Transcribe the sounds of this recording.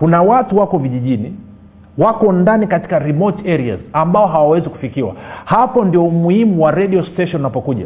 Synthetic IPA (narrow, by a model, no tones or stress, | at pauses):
kunawatuwakɔviʄiʄini | wakɔndanikati̥kaɾimɔtɛɾia̰zambaɔɦawawɛziku̥fikiwa̰hapɔndiɔumuhimuwaɾɛɗiɔstɛʃɔnːnapɔkuʄa̰